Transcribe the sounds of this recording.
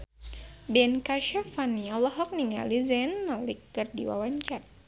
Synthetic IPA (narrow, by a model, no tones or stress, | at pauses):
bɛnkaʃafanialɔɦɔk̚niŋa̰lizɛnmalikːɨrdiwa̰waɲt͡ʃat̪̚